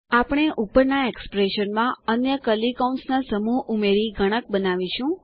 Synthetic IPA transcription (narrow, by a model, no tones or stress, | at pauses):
apɽ̃eʔupəɾnaekspɾeʃənmãənjəkəlikɔnsnasəmuʔumeɾiɡʱəɽ̃ək̚bənaʋiʃũ